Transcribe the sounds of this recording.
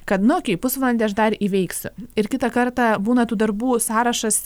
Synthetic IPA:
kɐt̪nʊkʲɛɪpʊsʋɐnʲd̪ʲɛɐʃd̪ɐɾiːʋʲɛɪksʲʊɪɾkʲɪt̪ɐkɐɾt̪ɑbuːnɐt̪uːd̪ɐɾbuːsɑːɾɐʃɐs

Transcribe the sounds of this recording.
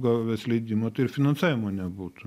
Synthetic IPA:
ɡɐʋʲɛslʲɛɪd̪ʲiːmot̪ɐɪɪɾfʲɪnɐnsɑːʋʲɪmoːnʲɛbuːt̪ʊ

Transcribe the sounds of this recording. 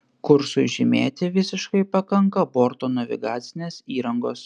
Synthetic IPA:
kʊɾsʊʒʲɪmʲeːt̪ʲɪʋʲɪsʲɪʃkɐɪpɐkɐŋkɐboːɾt̪oːnɐʋʲɪ̰ɡɑːt̪sʲɪnʲeːsiːɾɐŋɡoːs

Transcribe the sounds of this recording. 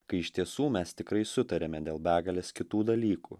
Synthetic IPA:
kɐɪɪʃʲt̪ʲiɛsuːmʲɛst̪ʲɪkɾɐɪsʊt̪ɐɾʲeːmʲɛd̪ʲeːlˠbʲæːɡɐlʲeːskʲɪt̪uːd̪ɐlʲiːkṵː

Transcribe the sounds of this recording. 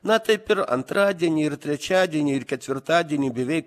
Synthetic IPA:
nɐt̪ɐɪpʲɪɾɐ̰nt̪ɾɑːd̪ʲiɛnʲiːɪɾt̪ʲɾʲɛt͡ʃʲæːd̪ʲiɛnʲiːɪɾkʲɛt̪ʲʋʲɪɾt̪ɑːd̪ʲiɛnʲiːbʲɛʋʲɛɪ

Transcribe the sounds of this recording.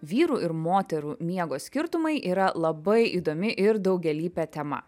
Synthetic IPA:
ʋʲiːɾuːɪɾmoːt̪ʲɛɾuːmʲiɛɡoːsʲkʲɪɾt̪ʊmɐɪʔiːɾɐlˠɐbɐɪʔḭːd̪oːmʲɪʔɪɾd̪ɒʊɡʲɛlʲiːpʲɛːt̪ʲɛmɐ̰

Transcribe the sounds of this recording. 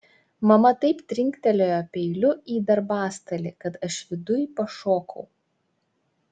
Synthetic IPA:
mɐmɐt̪ɐɪpt̪ʲɾʲɪŋʲkt̪ʲɛlʲoːjopʲɛɪlʲʊiːd̪ɐɾbɑːst̪ɐlʲɪkɐt̪ɐʃʋʲɪd̪ʊjpɐʃoːkɐʊ

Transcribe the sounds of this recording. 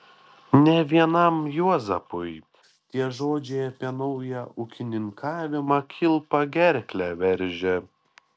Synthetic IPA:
nʲɛʋʲiɛnɐmjuɔzɐpʊɪ | t̪ʲiɛʒoːd͡ʒʲɛɪɐpʲiɛnɔʊjɛʔʊkʲɪnʲɪŋkɑːʋʲɪmɐkʲʰɪlˠpɐɡʲɛɾʲklʲæʋʲɛɾʲˑʒʲɛ

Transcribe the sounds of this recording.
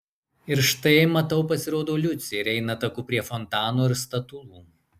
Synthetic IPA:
ɪɾʃt̪ɐɪmɐt̪ɐʊpɐsʲɪɾoːd̪oːlʲʊt̪sʲeɪɾʲɛɪnɐt̪ɐkuːpʲɾʲiɛfɔnt̪ɑːnoːɪɾst̪ɐt̪ʊlˠuː

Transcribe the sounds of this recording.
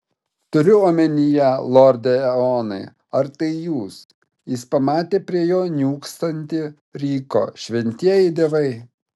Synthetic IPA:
t̪ʊɾʲʊoːmʲɛnʲijɛlˠɔɾʲd̪ʲɛɛoːnɐɪ | ɐɾt̪ɐɪjuːs | jɪspɐmɑːt̪ʲeːpʲɾʲiɛjoːnʲuːkst̪ɐnʲt̪ʲɪ | ɾʲiːko̰ːʃʲʋʲɛnʲt̪ʲiɛjɪd̪ʲiːʋɐɪ

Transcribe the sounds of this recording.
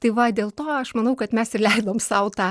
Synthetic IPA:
t̪ɐɪʋɐd̪ʲeːlˠt̪oːɐʃmɐnɐʊkɐt̪mʲɛsɪrlʲɛɪd̪oːmsɐʊt̪ɑ

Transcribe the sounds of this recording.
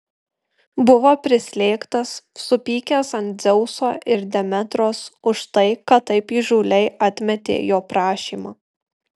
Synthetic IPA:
bʊʋoːpʲɾʲɪsʲlʲeːkt̪ɐsːʊpʲiːkʲɛsɐnt̪̚ʲzʲɛʊsoːʔɪɾd̪ʲɛmʲɛt̪ɾoːsʊʃt̪ɐɪkɐt̪ːɐɪpiʒuːlʲɛɪʔɐt̪ʲmʲɛt̪ʲḛːjoːpɾɑːʃʲḭːmɑː

